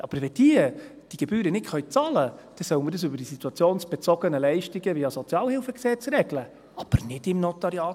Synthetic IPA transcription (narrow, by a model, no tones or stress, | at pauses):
ʔɑb̥əɾvɛd̥iə | d̥iɡ̥ebyːɾənɪtχœʏt͡sɑləd̥ɛsœwənmiːɾdəsʏbəɾd̥isit̪uɑt͡sjoːnsb̥ɛt͡sɔɡənəlɛɪʃtiɡəviɑsot͡sijɑːlhɪlfəksɛt͡sɾɛɡlə | ɑb̥əɾnɪdɪmnot̪ɑɾiɑː